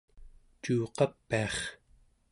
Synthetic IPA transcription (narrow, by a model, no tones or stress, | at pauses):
t͡ʃuːqɑpːiɑχ